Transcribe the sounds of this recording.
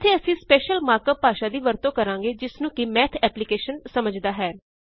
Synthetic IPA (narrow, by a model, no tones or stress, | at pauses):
t̪ʰeːəsĩːspeːʃəlmaːɾkəpːaːʃaːd̪iːʋəɾt̪õːkəɾãːŋɡeːd͡ʒɪsnũːkɪmɛːt̪ʰɛːplɪkeːʃənsəməd͡ʒd̪aːɦɛː